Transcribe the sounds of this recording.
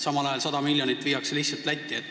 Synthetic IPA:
sɑmɑlɑjɑlsɑd̪̥ɑmilʲjonit̪ːˑviːjɑkseliçsɑlt̪læt̪ʲːˑiet̪ːˑ

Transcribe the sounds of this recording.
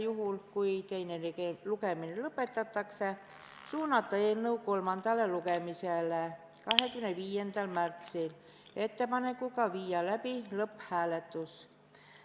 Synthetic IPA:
juɦulkuit̪e̞jnelekelukeminelɤpːˑe̞t̪ːˑɑt̪ːɑkse | suːnːɑt̪ːɑenːəukolmɑnd̪̥ɑlelukemisele | kɑɦekymneʋiːjend̪̥ɑlmært̪sil | e̞t̪ːepɑnekukɑʋiːjɑlæpilɤphæːlet̪ːˑus

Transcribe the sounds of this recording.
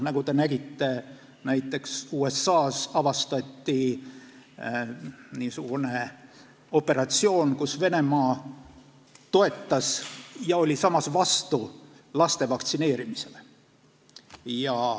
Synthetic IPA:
nɑɡ̥ut̪e̞næɡ̥it̪ːe̞ | næjt̪ːˑe̞ksuːe̞sːɑːsɑvɑst̪ɑt̪ʲːi | niːsuɡ̥une̞ | o̞pːe̞ɾɑt̪sio̞ːnkusve̞ne̞mɑː | t̪o̞e̞t̪ːɑsjɑo̞lʲisɑmɑsvɑst̪u | lɑst̪e̞vɑkt̪sine̞ːɾimise̞le | jɑ

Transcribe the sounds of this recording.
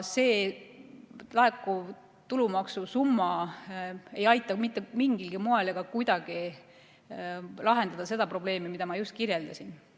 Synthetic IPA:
se̞ː | lɑe̞kˑːu | t̪ulumɑksusumːɑ | e̞jɑjt̪ːˑɑmit̪ːˑemiŋɡ̥ilɡ̥imoeleɡ̥ɑkujd̪̥ɑɡ̥i | lɑɦe̞nd̪̥ɑd̪ɑse̞d̪̥ɑpro̞ble̞ːmimid̪ɑmɑjust̪̚kirje̞ld̪ɑsin

